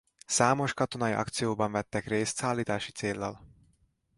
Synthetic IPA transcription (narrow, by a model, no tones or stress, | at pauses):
saːmo̞ʃkɒt̪o̞nɒjiʔɒ̰kt̪sijoːbɒɱvɛt̪ːɛkreːst̪saːlːiːt̪aːʃi̥t̪seːlːɒl